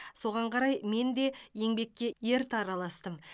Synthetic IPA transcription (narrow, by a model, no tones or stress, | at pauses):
so̞ʁɑɴqʰɑɾɑjme̞nd̪e̞je̞ŋbe̞kʲːe̞je̞ɾt̪ɑɾɑlˠɑst̪əm